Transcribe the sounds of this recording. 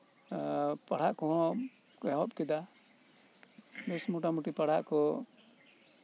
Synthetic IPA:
paɽ̤aʔkɔɦɔɔ | kɛɦɔpkid̪a | bɛsmuʈamuʈipaɽ̤aʔkɔ

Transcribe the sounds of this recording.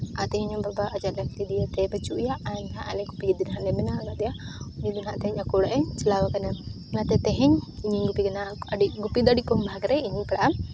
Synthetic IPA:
aʔt̪ɛɦɛɲɔbabaʔːd͡ʒaʔ̪lakt̪id̪ijat̪ɛbat͡ʃuʔjaʔaɲɦaʔalɛɡupiɡid̪inɦaʔlɛmɛnaɡad̪ɛjaʔuɲid̪inɦaʔt̪ɛɦɛɲakuɽaʔɛɲt͡ʃɛlawakana | nat̪ɛt̪ɛɦɛɲiɲiɲɡupiɡɐnaaɖiʔɡupid̪aɽikɔmbʱaɡɾɛiɲipɛɽaʔa

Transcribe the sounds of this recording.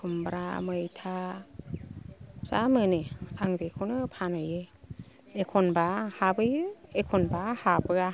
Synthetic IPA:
kʰumbɾa̰mɯjtʰa | sa̰mɯneaŋbekʰɯwnɯpʰanɯje | ekʰɔnbahabɯjekʰɔnbahabɯɡa

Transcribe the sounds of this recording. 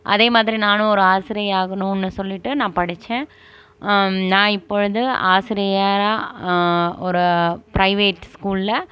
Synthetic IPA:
ʔɐ̰ðeːmaːðɪɾinaːnʊ̃ɔɾɯaːsɪɾɐjaːɣɐɳũːɛnːɯsɔlːɪʈːɯnãːpɐɽɪt͡ʃːẽː | nãːɪpːɔɻɯðɯaːsɪɾɐjaːɾaː | ɔɾɯpɾɐɪʋeːʈːskuːllɐ

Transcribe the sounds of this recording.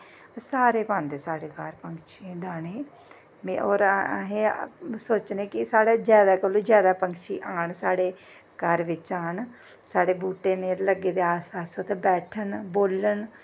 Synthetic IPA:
saːɾeːpãːnd̪esaːɽeːkaːɾpəŋkʃed̪aːneː | meoːɾ̰ɦẽːsoːt͡ʃneːkɪsaːɽaːd͡ʒjaːd̪aːkolõːd͡ʒjaːd̪aːpəŋkʃiːʔaːɳsaːɽeː | kəɾʋɪt͡ʃãːn | saːɽeːbuːʈeːneːləɡeːd̪eːaːspaːsoːt̪ebɛːʈʰənboːlən

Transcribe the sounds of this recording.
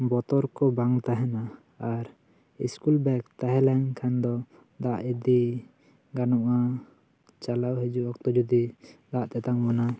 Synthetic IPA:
bɔt̪ɔɾkɔbaŋt̪aɦɛnaː | ɾ | ḭskulbɛkt̪aɦɛlɛɲkʰand̪ɔ | d̪aʔɛd̪i | ɡanɔʔa | t͡ʃalawɦɛd͡ʒuʔɔk̚t̪ɔd͡ʒɔd̪id̪aʔt̪ɛt̪aŋbɔna

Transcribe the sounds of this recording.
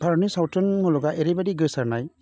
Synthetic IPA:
bʰʱaɾnisawtɔnmulɔɡaʔeɾibadiɡɯsaɾnaj

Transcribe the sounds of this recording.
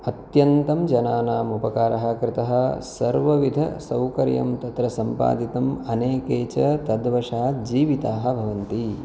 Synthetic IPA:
ɐt̪jɐnt̪ɐmd͡ʒɐnaːnaːmupɐkaːɾʔɐɦɐ̆kɾɪt̪ɐɦɐ̆sɐɾʋɐʋid̪ʱɐ̰sɐwkɐɾjɐ̰mt̪ɐt̪ɾɐsɐmpa̰ːd̪it̪ɐmɐneːkeːt͡ʃɐt̪ɐd̪ʋɐʃaːd͡ʒiːʋit̪aːɦɐ̆bʱɐʋɐnt̪i

